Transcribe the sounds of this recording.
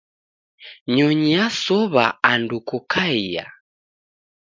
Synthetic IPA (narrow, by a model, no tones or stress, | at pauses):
ɲɔɲiasɔβaandukɔkʰaija̰